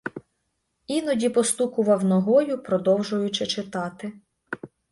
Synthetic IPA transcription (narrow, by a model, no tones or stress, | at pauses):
inɔdʲipɔst̪ukʊʋɐwnɔɦɔjʊpɾɔd̪ɔwʒʊjʊt͡ʃɪt͡ʃɪt̪ɑt̪ɪ